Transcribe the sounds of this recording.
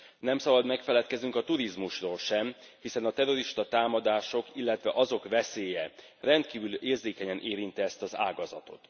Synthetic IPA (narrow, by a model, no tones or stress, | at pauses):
nɛmsɒbɒd̪mɛkfɛlɛt̪kɛznyŋkɒt̪uɾizmuʃroːlʃɛm | hisɛnɒt̪ɛɾo̞ɾiʃt̪ɒt̪aːmɒd̪aːʃo̞kilːɛt̪ʋɛʔɒzo̞kʋɛseːjɛ | rɛnt̪kiːvyleːrzeːkɛɲɛnʔeːɾint̪iɛst̪ɒza̰ːɡɒzɒ̰t̪o̞̰t̪